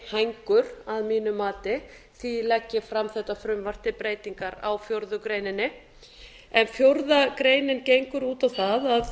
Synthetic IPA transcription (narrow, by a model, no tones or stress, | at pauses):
hajŋkʏɾaðmiːnʏmaːt̪ɪ | θilɛcːɪfɾamθɛht̪afɾʏmvar̥t̪ɪpɾeːjt̪iŋkaɾa̰wfjowɾðʏkɾeːjnɪnːɪ | ɛnfjoɾðakɾeːjnɪncejŋkʏɾuːt̪awθaðað